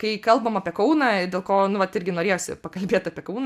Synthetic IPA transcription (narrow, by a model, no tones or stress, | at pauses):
kɐɪkɐlˠbɐmɐpʲiɛkɐʊnɐːdʲeːlˠkoːnʊʋɐt̪ɪɾʲɡʲɪnoːɾʲeːjoːsʲɪ̰pɐkɐlʲbʲeːt̪ɐːpʲiɛkɐʊn